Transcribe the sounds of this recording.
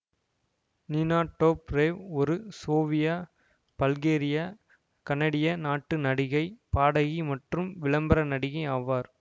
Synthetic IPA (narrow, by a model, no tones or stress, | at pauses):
nɪnaːʈːoːpɾeːʋɔɾɯsoːʋɪjaː | b̥ɐlɡeːɾɪjaː | kɐnɐɽɪjɐnaːʈːɯnɐɽɪɣɐɪpaːɽɐɣimɐʈrɯmʋɪɭɐmbɐɾɐnɐɽɪɣɐɪaːʋaːɾ